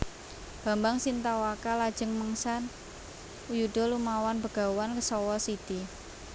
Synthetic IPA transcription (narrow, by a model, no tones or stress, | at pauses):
b̥a̤mbaŋsint̪awakalad̥d͡ʒ̥ə̤ŋməŋsan | ujuɖ̪̥ɔ̤lumawanbə̤ɡ̥a̤wankəsɔwɔsid̪̥i